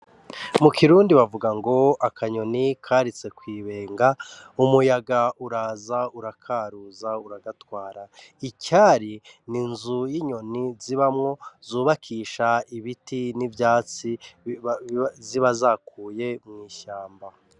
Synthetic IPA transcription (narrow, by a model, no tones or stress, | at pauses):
mukʰiɾuːndiβavuɡaŋɡo̞akʰaɲo̞nikʰaːɾit͡se̞kwiːβe̞ːŋɡa | umujaɡauɾaːzauɾakʰaːɾuːzauɾaɡatwaːɾaicaːɾininzujiɲo̞niziβamŋo̞zuːβakʰiːʃaiβitinivjaːt͡si | ziβazakuːje̞mŋiːʃaːmba